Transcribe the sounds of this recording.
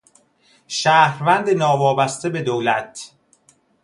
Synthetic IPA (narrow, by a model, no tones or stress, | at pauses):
ʃæːhɾvænd̪enɒːvɒːbæst̪ebe̞d̪owlæt̪